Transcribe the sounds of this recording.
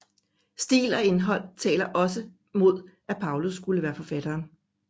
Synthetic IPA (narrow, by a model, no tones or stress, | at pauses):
sd̥ḭːlɒe̝nɦɒ̽l̰t͡sʰɛ̰ːlɐʔɒ̽sə | mo̝ð̞̰ˠæpʰɑ̈ʊlusːɡ̥uləʋæːɐfɒ̽fæd̥ɐːn